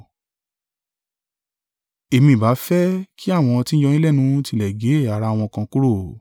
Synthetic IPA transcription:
e˧˨mĩ˧˨ba˨˦fɛ˦kʰi˦a˦˨w̃ɔ̃˧ti˦d͡ʒɔ˧ĩ˦lɛ˦˨nũ˨˦ti˧˨lɛ˨ɡe˨˦˨a˨ɾa˧˦˨w̃ɔ̃˧kã˧ku˦ɾo˦˨

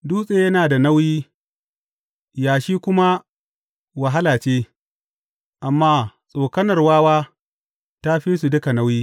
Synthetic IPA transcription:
duː˦sʼeː˨jɐ˦naː˨da˨na˦wjiː˦ | jaː˨ʃiː˦kʷʊ˦ma˦ | wa˨ɦa˦laː˨t͡ʃeː˦ | ʔa˨mːaː˦sʼoː˨kɐ˦nɐ˨rwaː˦waː˦ | ta˦ɸi˦s̬u˨dʊ˦ka˨na˦wjiː˦

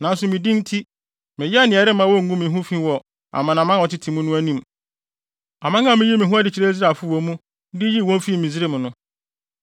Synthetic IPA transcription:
nã˨˦n˦sʊ˨mĩ˨dĩ˦n˦tʰi˦ | mɪ̃˨jɛ˦a˦nɪ̃˨ɛ˨ɾɪ˦mã˦wɔ˦ŋ̩˦ɡũ˦mɪ̃˨˦ɦũ˦fĩ˦wɔ˨ | a̰˨mã˨nã˨mã˦˨ɔ˨tɪ˦tʰĩ˨mũ˦nʊ̃˦æ˦nĩ˦m | a˨mã˦ŋã˦˨mɪ̃˦ji˦mɪ̃˨ɦũ˦a˦dɪ˨t͡ɕʰi˨ɾe˦zɾa˨fʊ˦wɔ˨mũ˦ | dɪ˦ji˦˨wɔ̃˦n˦fi˦˨mĩ˨zɪ˦ɾe˦mʊ̃˨nʊ̃˦

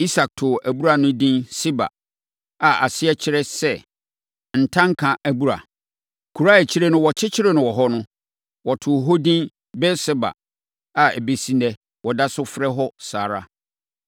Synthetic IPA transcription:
i˦sa˨k̚tʰʊ˨æ˨bu˦ɾa˨nʊ̃˦dĩ˦nsɪ˦ba̰˨ | a˨ʔa˨sɪ˦ɛ˦t͡ɕʰɪ˦ɾɛ˦sɛ˦ | n̩˨tʰã˦ŋ̩˦kʰã˨ʔæ˨bu˦ɾa̰˨ | kʰu˨ɾa˦ɛ˨t͡ɕʰi˦ɾɛ˦nʊ̃˦wɔ˨t͡ɕʰɪ˦t͡ɕʰɪ˦ɾɛ˦nʊ̃˨wɔ˨ɦɔ˦nʊ̃˦ | wɔ˨tʰʊ˨ɦɔ˦dĩ˦n | bɛ˦sɛ˦ba̰˨ | a˨ɛ˨be˨sĩ˦nɛ˨ | wɔ˨da˦sʊ˦fɾɛ˦ɦɔ˦saː˨ɾa˦

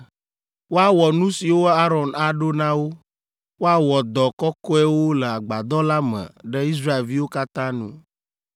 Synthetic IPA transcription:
wo˦a˦wɔ˨nũ˦si˨wo˦a˦ɾɔ˨na˨ɖo˦nã˦wo˦ | wo˦a˦wɔ˨d̪ɔ˨kɔ˦kɔ˦ɛ˦wo˦le˨a˨ɡ͡ba˨d̪ɔ˦la˦mɛ̰̃˨ɖɛ˦i˦s̬ɾa˦e˨lvi˦wo˦ka˦t̪ã˦nṵ̃˦

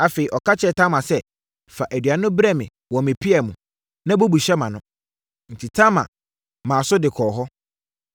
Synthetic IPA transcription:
a˨fe˨i˨ʔɔ˨ka˦t͡ɕʰɛ˨tʰã˦mã˨sɛ˦ | fa˨ʔæ˨dɥa˨nʊ̃˦bɾɛ˦mɪ̃˨ | wɔ̃˨mɪ̃˨pʰɪ˦ɛ˨mũ˨ | nã˦bo˦bu˨ɕɛ˦mã˨nʊ̃˦ | n̩˨tʰi˨tʰã˦mã̰˨ | mãː˨sʊ˦dɪ˨kʰɔː˨ɦɔ˦

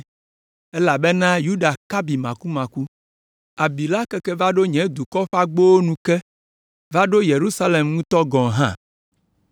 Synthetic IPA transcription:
ɛ˦la˨bɛ˦nã˦ju˦ɖa˨ka˦bi˨mã˨ku˦mã˨ku˦ | a˨bi˨la˦kɛ˦kɛ˦va˦ɖo˦ɲɛ̃˨˦d̪u˨kɔ˦ɸa˦ɡ͡bo˦wo˦nũ˨kɛ˦ | va˦ɖo˦je˨ɾu˦sa˦le˨mŋũ˦t̪ɔ˦ɡɔ̃˨ɦã̰˦

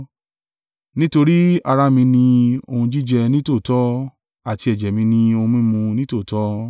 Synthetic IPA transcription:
nĩ˦to˧ɾi˦a˧ɾa˦mĩ˧nĩ˧o˧hũ˧d͡ʒi˦d͡ʒɛ˧nĩ˦to˦˨tɔ˦ | a˦˨ti˧ɛ˨d͡ʒɛ˨mĩ˧nĩ˧o˧ũ˧mĩ˦mũ˧nĩ˦to˦˨tɔ˦

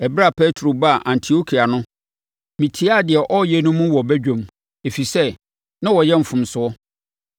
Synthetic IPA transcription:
ɛ˨bɾa˦˨pʰɛ˦tʰɾo˨ba˦˨ʔã˨ntʰi˨o˦kʰi˨a˨nʊ̃˦ | mĩ˨tʰi˦a˦˨dɪ˨ɛ˨ʔɔ˦jɛ˦nʊ̃˦mũ˦wɔ˨bæ˦d͡ʑᶣõ˨m | e˨fi˨sɛ˦ | nã˦wɔ˨jɛ˦m̩˨fʊ̃˨msʊ˨ɔ˦

